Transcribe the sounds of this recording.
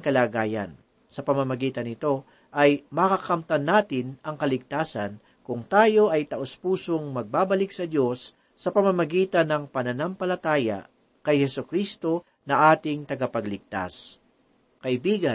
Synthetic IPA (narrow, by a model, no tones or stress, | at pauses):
ŋkɐlaːɡaːjɐ̰n | sɐpɐmɐmɐɡiːt̪ɐnɪt̪o̞ | ʔɐjmɐkɐkɐmt̪ɐnːaːt̪ɪnɐŋkɐlɪɡ̚t̪aːsɐn | kʊŋt̪aːjo̞ʔɐjt̪ɐʔospuːso̞ŋmɐɡ̚baːbɐlɪk̚sɐd̪jo̞sː | ɐpɐmɐmɐɡiːt̪ɐnɐŋpɐnɐnɐmpɐlɐt̪aːjɐ̰ | kɐjhɛsʊkɾist̪o̞ | nɐʔaːt̪ɪŋt̪ɐɡɐpɐɡlɪɡ̚t̪a̰s | kɐʔɪbiːɡɐ